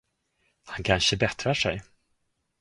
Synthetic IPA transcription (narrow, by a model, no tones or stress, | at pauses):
hankʰanʂəbɛt̪ɾaʂɛj